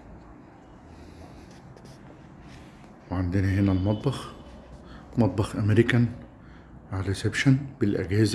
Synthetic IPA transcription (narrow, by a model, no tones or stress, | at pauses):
weʕand̪enæhenælmɑt̪̚ˤbɑx | mɑt̪̚ˤbɑxʔæmeɾikæn | ʕaɾɪsebʃænbɪlʔæ̰ɡhɪz